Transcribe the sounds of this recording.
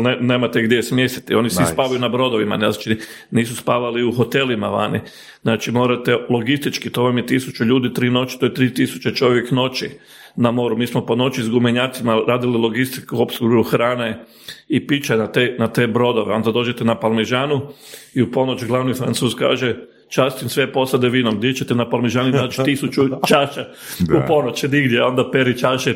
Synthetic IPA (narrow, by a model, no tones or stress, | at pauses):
neneːmat̪eɡd̪ʲjesmjest̪it̪io̞niseispaːʋajunabɾo̞d̪o̞ʋima̰nt͡ʃi | niːsuspaːʋaliuxo̞t̪e̞limaʋa̰nḭ | znaːt͡ʃimo̞ːɾat̪elˠo̞ɡist̪it͡ʃkit̪o̞ʋamjet̪isut͡ʃuʎuːd̪it̪ɾiːno̞t͡ʃi̥t̪ojet̪ɾiːt̪isu̥t͡ʃet͡ʃo̞ʋjekno̞t͡ʃi | namo̞ɾumiːsmo̞po̞no̞t͡ʃizɡumeɲaːt̪simaɾaːd̪ililˠo̞ɡist̪ikuopsɡɾuɾuxɾaːne | ipit͡ʃanat̪enat̪eːbɾo̞d̪oʋeo̞nd̪ad̪o̞ːd͡ʒet̪enapalmeʒaːnuiupo̞not͡ʃɡlˠaʋnifɾa̰nt̪uːzka̰ːʒe | t͡ʃast̪imsʋepo̞sad̪eʋiːnomd̪jet͡ʃet̪enapalmeʒaːninnaːt͡ʃi̥t̪isut͡ʃut͡ʃaʃa | upo̞not͡ʃiniɡd̪jeo̞nd̪apeɾit͡ʃaːʃɛ